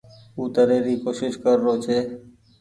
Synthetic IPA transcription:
uːt̪əɾeːɾiːkoːʃɪʃkəɾːoːt͡ʃʰeː

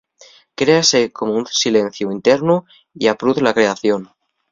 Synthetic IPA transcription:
kɾe̞ase̞komounsile̞n̟θjuint̪e̞ɾnu | iapɾuðlakɾe̞aθjo̞n

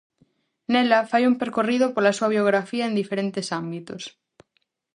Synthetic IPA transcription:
nelafajumpeɾkoriðopolasuaβjoɣɾafiaend̪ifeɾent̪esambit̪os

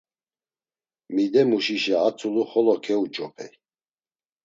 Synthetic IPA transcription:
mid̪ɛmuʃiʃɛat͡sʰʼuluχɔlɔkʰɛut͡ʃʼɔpʰɛ̰

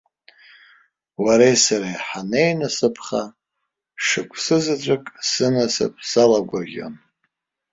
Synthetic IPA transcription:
waɾejsaɾajħanejnasɨpʰχa | ʂɨkʷʰʼsɨzɨt͡ʃʷʼɨkʼsɨnasɨ̰pʰʼsalaɡʷaʒʲo̰n

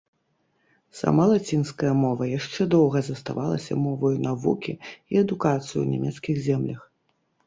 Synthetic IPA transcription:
sa̰malˠat͡sʲinskɐjɐmɔvɐjaʂt͡ʂɛd̪ɔwɣɐzɐst̪a̰valˠɐ̰sʲɐ̰mɔvɐjnavukʲiiɛd̪ukat̪sɨjṵnʲɛmʲɛt̪skʲiɣzʲɛmlʲɐx

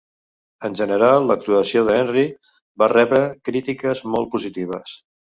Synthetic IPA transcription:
ənʲʒənəɾalˠːəkt̪luəsioðɛnri | barɛβɾəkɾit̪ikəzmɔlˠt̪̚puzit̪iβ̞ə̰s

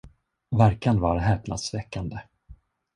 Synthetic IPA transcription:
væɾkand̪vaɾɦɛːpna̰t̪svɛkːand̪ə

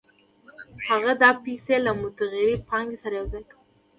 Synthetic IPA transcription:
haɣad̪ɑpiselamʊt̪aɣeɾipɑŋɡesaɾajawzajkaw

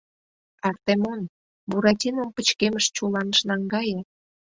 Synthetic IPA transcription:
ɑrt̪emon | buɾɑtʲinompət͡ɕkeməʃt͡ɕulɑnəʃnɑŋɡɑje

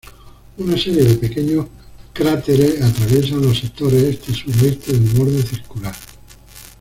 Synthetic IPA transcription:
unase̞ɾjeðe̞pe̞ke̞ɲo | kɾat̪e̞ɾeat̪ɾaβje̞s̬anlo̞sek̚t̪o̞ɾesest̪esuðest̪eðulmoɾðoθiɾkulaɾ

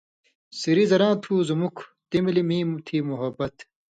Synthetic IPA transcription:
siɾizɐɾãːt̪ʰuːzumukʰt̪imilimĩːmt̪ʰiːmuɦɐbɐt̪

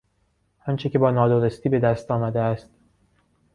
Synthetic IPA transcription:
ɒnt͡ʃʰecʰe̞bɒːnɒːd̪oɾest̪iːbe̞d̪æst̪ɒːmæd̪eæst̪

